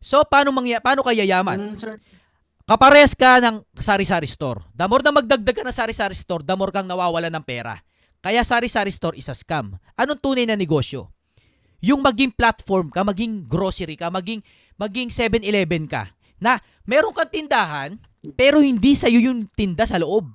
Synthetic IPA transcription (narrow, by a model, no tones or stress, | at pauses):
so̞paːnomɐŋjapaːno̞kɐjɐjaːmɐn | kɐpɐɾɛɐskɐnɐŋsaːɾɪsaːɾɪst̪o̞̰ɾd̪ɐmo̞ɾnɐmɐɡ̚d̪ɐɡ̚d̪aɡ̚kɐnɐŋsaːɾɪsaɾɪst̪o̞ɾd̪ɐmo̞ɾkɐŋnɐwaːwɐlanɐŋpɛːɾɐ̰ | kɐjasaːɾɪsaɾɪst̪o̞ɾʔɪsɐskamʔɐnoŋt̪uːnɐjnɐnɛɡo̞sjo̞̰ | jʊŋmɐɡiŋplat̪foɾmkɐmɐɡiŋɡɾo̞ːsɛɾikɐmɐɡiŋ | mɐɡiŋsɛbɛnɪlɛːbɛnkɐ̰ | nɐ | mɛːɾo̞ŋkɐŋt̪ɪnd̪aːɦɐn | pɛːɾo̞hɪnd̪isɐjojʊŋt̪ɪnd̪asɐloʔo̞b̚